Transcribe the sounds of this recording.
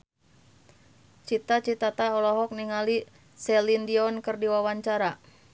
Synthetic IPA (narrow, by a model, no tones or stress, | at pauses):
t͡ʃit̪at͡ʃit̪at̪aɔlɔɦɔk̚niŋali | sɛlindiɔnkɨrdiwawaɲt͡ʃaɾa